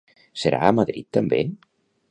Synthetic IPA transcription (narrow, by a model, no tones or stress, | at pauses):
seɾʔa̰ːmaðɾḭt̪ːambḛn